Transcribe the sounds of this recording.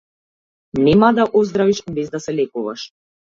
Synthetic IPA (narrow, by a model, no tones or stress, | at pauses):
nɛmad̪aʔɔzd̪ɾaviʃbɛzd̪asɛlɛkuva̰ʃ